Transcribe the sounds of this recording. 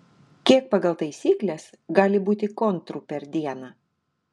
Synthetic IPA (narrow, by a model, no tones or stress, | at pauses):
kʲiɛk̚pɑɡɐlˠt̪ɐɪsʲiːklʲɛs | ɡɑːlʲɪbuːt̪ʲɪkɔnt̪ɾuːpʲɛɾd̪ʲiɛnɑː